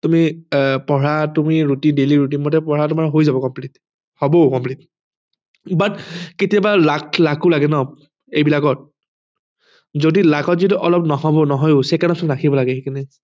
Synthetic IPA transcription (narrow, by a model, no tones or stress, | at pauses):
tumipɔɹatumiɹutindeliɹut̬inmɔtɛpɔɹatʊmaɹɦojzabɔkɔmplit | hɔbɔʊkɔmplit̚ | batketijabalakʰlakulaɡɛnɔ | ejbilakɔt̚ | zodilakɔtzituʔɔlɔpnɔɦɔbɔnɔɦɔjʊsekanɔsɔɹakʰibɔlaɡɛhekanɛ